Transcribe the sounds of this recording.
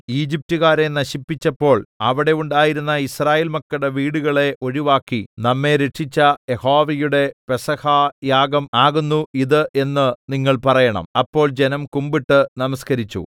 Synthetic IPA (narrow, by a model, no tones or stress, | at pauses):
iːd͡ʑip̚tuɣaːɾe̞nɐɕipːit͡ɕːɐpːo̞ːɭɐʋiɽe̞uɳɖaːjiɾunːɐisraːjeːlmɐkːɐɽeʋiːɽuɣɐɭe̞ʔo̞ɻiʋaːkːinɐmːe̞ɾeʈʂit͡ɕːɐjeho̞ːʋɐjuɽe̞pesɐhaːjaːɡɐmaːɣunːuiðɨʔe̞nːɨniŋːɐɭpɐrɐjɐɳɐ̰mɐpːo̞ːɭd͡ʑe̞nɐmkumbiʈːɨnɐmɐskɐɾit͡ɕːṵ